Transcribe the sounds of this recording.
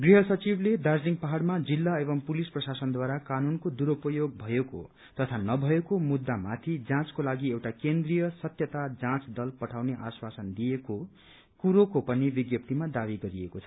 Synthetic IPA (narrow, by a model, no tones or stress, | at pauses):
ɡriɦʌsʌt͡sibled̪ad͡zliŋɡpaɦarmad͡zilːaeβʌŋpulisprʌsasʌnd̪waɾakanunkod̪uɾupʌjoɡ̚bʱʌjeko̰ | t̪ʌt̪ʰanʌbʱʌekomud̪ːamat̪ʰid͡zãt͡skolaɡiewʈakend̪rijʌsʌt̪jʌt̪ad͡zãt͡sd̪ʌlpʌʈʰawneʔaswasʌnd̪ijeko | kuɾokopʌnibiɡjʌp̚t̪imad̪aβiɡʌɾiekot͡sʰʌ̥